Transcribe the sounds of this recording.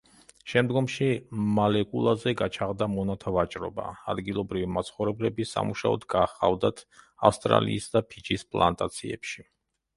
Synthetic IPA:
ʃɛmd̪ɡɔmʃimalɛkʼulˠazɛɡat͡ʃʰaʁd̪amɔnat̪ʰavat͡ʃʼɾɔba̰ad̪ɡilˠɔbɾivimat̪sʰχɔvɾɛblɛbisa̰muʃaɔ̰d̪ɡaːχa̰vd̪at̪ʰafst̪ʼɾa̰lḭːsd̪apʰid͡ʒispʼlˠant̪ʼat̪sʰiɛ̰pʃi

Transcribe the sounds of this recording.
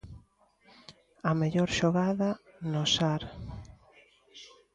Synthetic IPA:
ɐmeʎɔɾʃoɣaðɐnʊsaɾ

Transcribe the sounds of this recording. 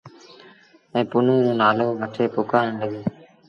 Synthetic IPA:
ɛ̃ːpʊnõːd͡ʒoːnaːloːʋəʈʰeːpʊkaːɾəɳɖəɡiː

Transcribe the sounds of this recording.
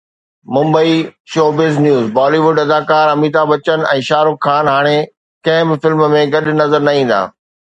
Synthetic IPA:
mʊ̃mbəiʃoːbɪznjuːzbaːliʋʊɖɐd̪aːkaːɾɐmiːt̪abɐt͡ɕən̆ɛ̃ːʃaːɾʊkʰːaːnɦaːɽ̃e | kɐ̃ɦɪ̃bɪfɪlmmẽɡɐɗʊ̆nɐzəɾnɐĩːn̆d̪a̰ː

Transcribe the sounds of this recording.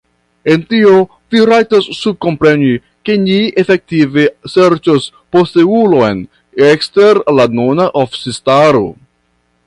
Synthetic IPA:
e̞ntio̞ | viɾajtasːub̚ko̞mpɾe̞ni | ke̞niefe̞k̚tive̞seɾt͡ʃos | po̞steulo̞jn | ekste̞ɾlanonaʔofsistaɾo̰

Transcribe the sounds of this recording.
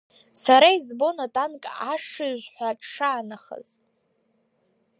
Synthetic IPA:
saɾaizbo̞natʼankʼaʂɨɥʒʷħʷaʈ͡ʂʰʂaːnaχə̰z̥ʼ

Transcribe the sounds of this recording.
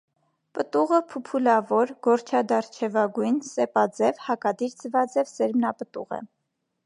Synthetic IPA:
pət̪uʁəpʰupʰulɑvɔɾɡɔɾt͡ʃʰɑd̪ɑɾt͡ʃʰɛvɑɡujnsɛpɑd͡zɛvhɑkɑd̪iɾd͡zəvɑd͡zɛvsɛɾmnɑpət̪ṵʁə̰

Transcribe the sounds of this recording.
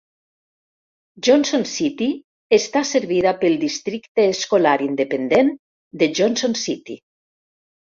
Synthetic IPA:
d͡ʒonsonsit̪i | est̪aseɾβiðapelˠd̪ist̪ɾikt̪eːskolaɾind̪epend̪en | d̪eʒonsonsit̪i

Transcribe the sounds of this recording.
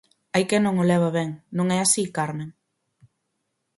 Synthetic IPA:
ajkenõŋolɛβ̞aβɛŋnõŋɛasikaɾne

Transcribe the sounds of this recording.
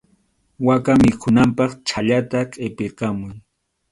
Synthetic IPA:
wakamɪkʰʊnampɑχt͡ʃʰaʎat̪akʼepɪɾqɑmʊj

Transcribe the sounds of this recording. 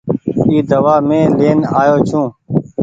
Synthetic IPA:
iːd̪əʋaːmẽːleːnaːjoːt͡ʃʰũː

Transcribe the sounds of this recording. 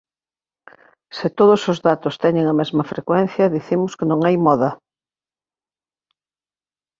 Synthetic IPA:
sɪt̪oð̞osozðat̪ost̪ɛɲẽŋɐmɛzmɐfɾʔekwɛn̟θjɐðiθimʊskenõŋajmɔðɐ

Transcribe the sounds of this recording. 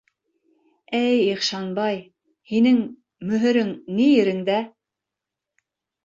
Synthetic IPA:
æjiχʃɑnbɑj | hinɘŋ | mɵ̆ɦɘ̆ɾɘŋnijɘ̆ɾɘ̆ŋd̪æ

